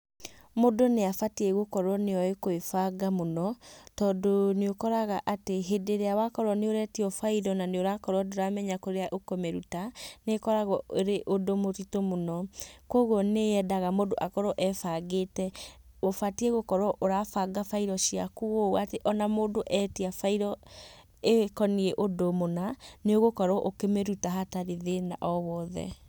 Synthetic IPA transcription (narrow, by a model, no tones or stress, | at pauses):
modoneafatieɣokɔɾɔneɔekoefaɡamonɔtɔːdoneokɔɾaɣaʔateɦedeɾeawakɔɾwɔneoɾɛtiɔfaiɾɔnaneoɾakɔɾɔdoɾamɛɲakoɾeaʔokomɛɾutanekɔɾaɣɔoɾeʔodomotitomonɔkwɔɣwɔneɛdaɣamoːdoʔakɔɾɔʔɛfaɣetɛ | ofatiɛɣokɔɾɔʔoɾafaɡafaiɾɔʃiakuɣowateʔɔnamoːdoʔɛtiafaiɾɔ | ekɔniɛʔodomonaneoɣokɔɾɔʔokemeɾutaɦataɾeðena̰ʔɔβɔðɛ̰